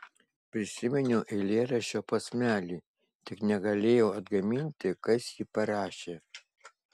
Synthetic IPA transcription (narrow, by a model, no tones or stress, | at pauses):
pʲɾʲɪsʲɪmʲɛnʲʊːʔɛɪlʲeːɾɐʃʲoːpɐsʲmʲæːlʲiː | t̪ʲɪknʲɛɡɐlʲeːjoːɐd̪ɡɐmʲɪnʲt̪ʲɪkɐsjiːpɐɾɑːʃʲeː